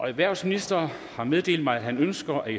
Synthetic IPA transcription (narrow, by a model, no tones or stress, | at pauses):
ʔɒ̽æʋæɐ̰sminisd̥ɐ | hɑ̈með̞ˠd̥e̝̰ːld̥ˠmɑ̈ɪæɦænønsɡ̥ɐʔæ